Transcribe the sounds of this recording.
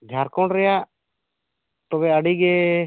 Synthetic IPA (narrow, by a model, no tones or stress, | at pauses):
d͡ʒʱjaɾkɔɳɾɛjaʔ | t̪ɔbɛaɖiɡɛ